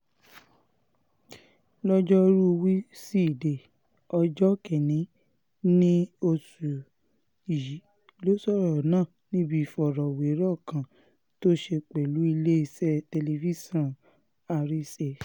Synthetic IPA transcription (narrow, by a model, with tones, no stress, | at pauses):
lɔ˦d͡ʒɔ˦ɾu˦˧wi˦si˦˨de˨ | ɔ˧d͡ʒɔ˦kɛ˨nĩ˨˦ | nĩ˦o˧su˨ | ji˨˦ | lo˦sɔ˦˨ɾɔ˨nãː˦˨nĩ˦bi˦˨fɔ˨ɾɔ˨we˨˦ɾɔ˦˨kã˨ | to˦ʃe˧k͡pɛ˨lu˨˦i˧le˦i˧sɛ˦te˧le˧fi˦sɔ̃˦˨n | a˧ɾi˦se˧˨